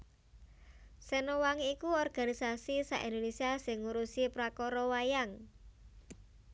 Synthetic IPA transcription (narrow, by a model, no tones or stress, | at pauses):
sɛnowaŋikuɔrɡ̥a̤nisasisaʔḭnd̪onesiasɪŋːuɾusipɾakɔɾɔwajaŋ